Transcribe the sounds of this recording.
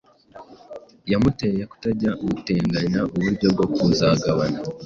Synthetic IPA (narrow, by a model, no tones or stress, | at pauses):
jamute̞jeku̥taɟaɡute̞ːŋɡaɲaʔuβuɾɟo̞b̚ɡokuzaɡaβana